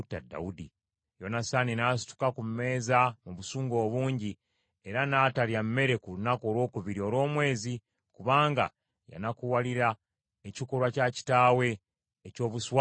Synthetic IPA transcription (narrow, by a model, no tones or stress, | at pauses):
tːa̰da̰udi | jonasaninaːsi̥tu̥kakumme̞ːzamuβusuːŋɡo̞ːβuːɲɟi | eɾanaːtaljammːe̞ɾe̞kulunakoːɾwo̞ːkuβiɾio̞ɾo̞ːmwe̞ːzi | kuβaːŋɡa̰ | ja̰nakuwaliɾa | ecikolwacaci̥taːwe̞ː | co̞ːβuswa